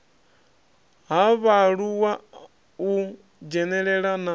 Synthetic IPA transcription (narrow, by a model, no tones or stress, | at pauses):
ɦaβaɺuwa | u | d͡ʒɛnɛɺɛɺana